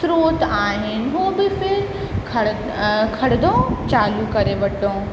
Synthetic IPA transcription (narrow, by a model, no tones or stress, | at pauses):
sɾoːt̪aːɦɪnɦoːbɪfɪɾ | kʰ | kʰɐɽd̪õːt͡ʃaːlukɐɾeʋɐʈõː